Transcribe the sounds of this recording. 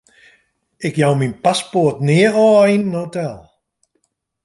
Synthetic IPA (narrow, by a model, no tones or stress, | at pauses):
ɪkjawminpaspoətnɪəɔːinːotɛlˠ